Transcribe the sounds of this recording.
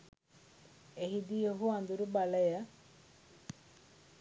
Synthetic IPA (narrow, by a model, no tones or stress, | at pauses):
eɦid̪ijoɦuand̪uɾubaləjə